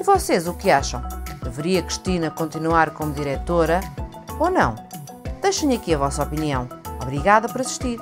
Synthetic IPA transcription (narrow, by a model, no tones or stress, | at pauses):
vɔsezukɨaʃɐ̰̃w̃d̪ɨvɨɾiɐkɾiʃt̪inɐkõnt̪inwaɾkomuðiɾɛt̪oɾɐ | onɐ̰̃w̃ | d̪̥ejʃɐ̃j̃ɐkiɐvɔsɐɔpiniɐ̃w̃ɔβɾiɣaðɐpɔɾɐsi̥ʃt̪iɾ